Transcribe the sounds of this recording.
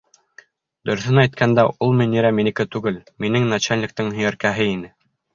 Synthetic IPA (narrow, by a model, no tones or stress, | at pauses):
d̪ɵ̆ɾɵ̆θɘnæjt̪̚kʰænd̪æʔulˠminiɾæminikɘt̪ʉɡɘlminɘŋnat͡ɕælnʲɪ̆k̚t̪ɘŋhɵ̆jæɾkæɦɘinɘ